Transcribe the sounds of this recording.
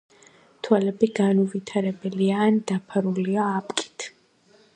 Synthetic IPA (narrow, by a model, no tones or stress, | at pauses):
t̪ʰwalɛbiɡanuvit̪ʰaɾɛbɛliaːnd̪̥apʰaɾuliaːpʼkʼi̥t̪ʰ